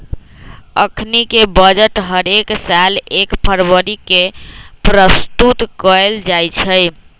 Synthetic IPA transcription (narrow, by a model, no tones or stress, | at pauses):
ə̰kʰnikebəd͡ʒəʈɦəɾeksalekpʰəɾbəɾikepɾəst̪ut̪kəeld͡ʒajt͡ʃʰəj